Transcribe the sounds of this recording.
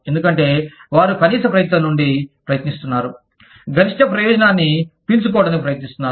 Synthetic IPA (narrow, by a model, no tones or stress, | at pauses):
e̞nd̪ukɐɳʈe̞ːʋaːɾukɐniːsɐpɾɐjɐt̪nɐnːuɳɖipɾɐjɐt̪nist̪unːaːɾu | ɡɐɾiʂʈɐpɾɐjɔːd͡ʒɐnaːnːipilsuk̬ɔːʋɽɐnipɾɐjɐt̪nist̪unːaː